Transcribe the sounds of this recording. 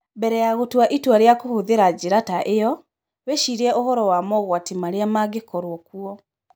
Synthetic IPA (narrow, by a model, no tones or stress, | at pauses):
bɛɾɛjaɣotwaʔitwaɾjakohoðeɾad͡ʑiɾataʔejɔ | weʃiɾiɛʔohɔɾɔwamɔɣwatimaɾiamaɡekɔɾwɔkuɔ